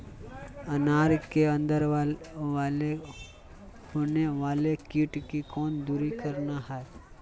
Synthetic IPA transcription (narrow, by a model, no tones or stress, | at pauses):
ənaɾkeə̃nd̪əɾʋale | honeʋaːlekiːʈkikɔːnd̪uːɾikəɾnaɦae